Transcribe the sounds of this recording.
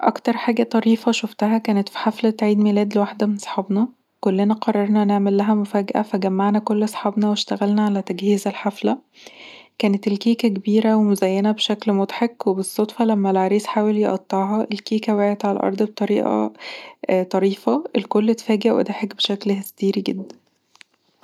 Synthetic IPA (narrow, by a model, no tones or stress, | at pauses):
ʔɑ̰kt̪ɑɾˤħaːɡæt̪ˤɑɾiːfɑʃoft̪æɦækæːnet̪fi̥ħaflæt̪ʕiːd̪milæːd̪lewaħd̪æmensˤħɑːbnɑ | kolːenæqɑrˤːɑɾˤnɑneʕmelːæɦæmofæːɡæʔæ̰fæɡæmːaʕnækolːsˤħɑbnɑweʃt̪æɣælnæʕalæt̪æɡhiːzælħaflæ | kæːnet̪elkiːkækebiːɾæwemozæjːænæbeʃæklmot̪ħekwebesˤːot̪ˤfɑlæmːælʕaɾiːsħaːweljeʔɑt̪ˤːɑʕɦɑʔelkiːkæweʕet̪ʕalælʔɑ̰ɾˤd̪ˤbet̪ˤɑɾiːʔɑ̰ | t̪ˤɑɾiːfæʔelkolːet̪fæːɡeʔwʔḛd̪æħekbeʃæklhest̪iːɾiɡed̪ːæn